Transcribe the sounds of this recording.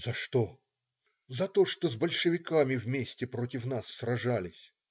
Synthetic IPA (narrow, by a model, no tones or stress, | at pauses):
zɐʂt̪o | zɐt̪o̞ʂt̪ozbɐlʲʂɨvʲɪkamʲɪvmʲesʲtʲɪpɾotʲɪfnasːrɐʐalʲɪsʲ